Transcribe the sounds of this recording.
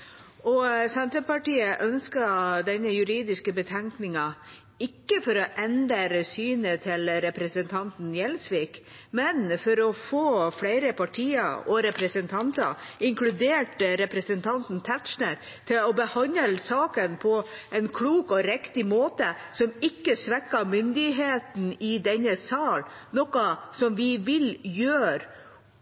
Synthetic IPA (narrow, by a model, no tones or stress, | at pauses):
ɔsɛnt̪ɾəpɑʈiːəʔœnskɑd̪ɛnːəjʉɾiːd̪ɪskəbət̪ʰɛŋknɪŋɑ | ɪkːəfɔɾɔʔɛnd̪əɾsyːnət̪ʰɪlɾɛpɾɛsənt̪ʰɑnt̪njɛlsʋiːk | mɛnfɔɾɔfoːflæɪɾəpʰɑʈʰiːə̰ɔɾɛpɾɛsənt̪ʰɑnt̪ɑ̰ɪŋklʉd̪eːʈɾɛpɾəsənt̪ʰɑnt̪n̩t̪ʰæt̪ʃnəɾ | t̪ʰɪlɔbəhɑnəlsɑːkənpʰɔʔɛnkʰluːkɔɾɛkt̪ɪmoːt̪əsɔmɪkːəsʋɛkːɑmʏnd̪ɪɦeːt̪n̩ɪd̪ɛnːəsɑːlnɔkɑsɔmʋɪʋɪljøːɾ